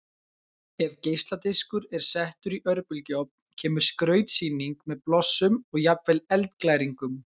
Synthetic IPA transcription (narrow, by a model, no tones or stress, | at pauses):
ɛvcejst̪lat̪eskʏɾɛɾ̥sɛht̪ʏɾiʔœɾpʏlcɔp̚ncʰɛːmʏɾ̥skɾœːɥt̪siːniŋkmɛðplɔsːʏmɔɣjapvɛlɛlt̪klaːjɾiŋkʏm